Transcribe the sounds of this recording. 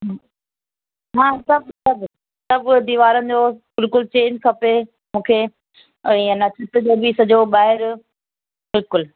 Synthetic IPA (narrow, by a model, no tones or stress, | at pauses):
ɦaː | ɦãːsɐbsɐb | sɐbd̪iːʋaːɾənɪ̆d͡ʑoːbɪlkʊlt͡ɕẽːɲd͡ʑkʰɐpe | mũːkʰe | ənɐt͡ɕʰɪt̪d͡ʑoːbisɐd͡ʑoɓaːɦɪɾ | bɪlkʊl